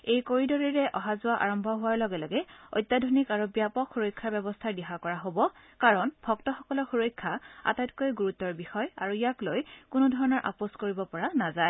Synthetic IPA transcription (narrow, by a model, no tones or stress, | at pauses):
ejkoɹidɔɹiɹɛʔɔɦazʊwaʔa̰ɹɔmbʱɔɦʊwaɹlɔɡɛlɔɡɛo̰jtːjadʱonikaɹubjapɔkxuɹojkʰːaɹbɛbɔstʰaɹdɛɦakɔɹaɦobɔ | kaɹɔnbʱɔktɔxɔkɔlɔxuɹojkʰːaa̰tajt̚kojɡuɹutːɔɹbixɔja̰ɹuijaklojkʊnʊdʱɔɹɔnɔɹʔa̰poskoɹibɔpɔɹanazaj